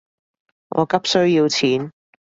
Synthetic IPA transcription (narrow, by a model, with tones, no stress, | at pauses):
ŋʔɔ̰ː˨˧kɐ˥p̚sɵ˥ɥjiː˧wt͡sʰiː˨˥n